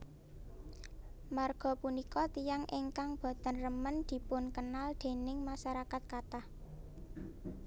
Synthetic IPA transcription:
marɡ̥ɔ̤punikɔt̪ijaŋʔɪŋkaŋb̥a̤t̪anrəmənd̪̥i̤pʊnkənald̪̥e̤nɪŋmaʃaɾakat̪̚kat̪ah

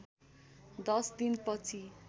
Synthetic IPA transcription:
d̪ʌsd̪inpʌt͡sʰi

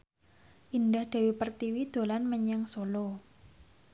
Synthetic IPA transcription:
ʔindahd̥a̤wipərt̪iwid̪̥o̤lanməɲəŋsolo

